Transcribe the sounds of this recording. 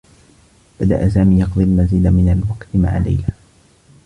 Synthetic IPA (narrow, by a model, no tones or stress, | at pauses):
b̥ad̪a̰ʔas̬aːmiːjɑqd̪ˤilmazɪːd̪amɪnalwɑqt̪ma̰ʕa̰la̰jla